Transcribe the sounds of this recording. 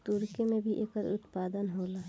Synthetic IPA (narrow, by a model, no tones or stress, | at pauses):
t̪uɾkemẽbʱiʔeːkəɾʊt̪paːd̪ənɦoːla